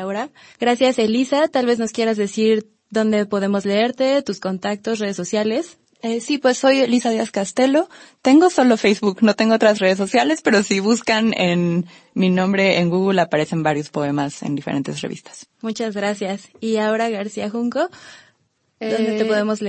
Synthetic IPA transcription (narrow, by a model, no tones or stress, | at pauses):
aoɾa | ɣɾasjase̞lisat̪alβe̞zno̞skje̞ɾazðe̞siɾ | ðo̞nd̪e̞po̞ðe̞mo̞zle̞e̞ɾt̪e̞t̪usko̞nt̪ak̚t̪o̞sre̞ðesosjale̞s | esipwe̞sːo̞jelisaðiaskast̪elo̞t̪e̞ŋɡo̞so̞lo̞fejzβukno̞t̪e̞ŋɡoot̪ɾasre̞ðes̬ːosjale̞spe̞ɾo̞siβuskanen | minõmbɾe̞ʔeŋɡuɣulapaɾe̞se̞mbaɾjo̞spo̞e̞masḛnd̪ifeɾe̞nt̪e̞srḛβḭst̪ḁsmut͡ʃazɣɾasjasiaoɾaɣaɾsiaxuŋko̞ | ond̪et̪epo̞ðe̞mo̞zle